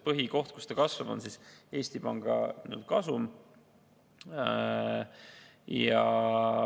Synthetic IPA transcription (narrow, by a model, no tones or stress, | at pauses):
pɤɦiko̞ht̪̚kust̪ɑkɑsvɑb̥o̰nsise̞ːsʲt̪ipɑŋɡ̥ɑ̰nṵld̪̥kɑsum | jɑ